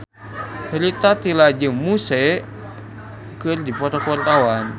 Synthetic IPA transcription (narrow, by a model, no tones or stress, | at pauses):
hɾit̪at̪ilad͡ʒɨŋmusɛ | kɨrdipɔt̪akart̪awan